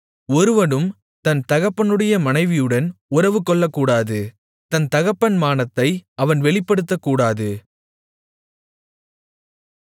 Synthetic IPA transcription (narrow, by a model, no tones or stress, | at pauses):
ɔɾɯʋɐɽɯm | t̪ɐnt̪ɐɣɐpːɐnɯɽɐjɐmɐnɐɪʋɪjɯɽɐnʊɾɐʋɯkːɔɭːɐkːuːɽaːðɯ | t̪ɐnt̪ɐɣɐpːɐnmaːnɐt̪ːɐɪɐʋɐnʋɛɭɪpːɐɽɯt̪ːɐkːuːɽaːðɯ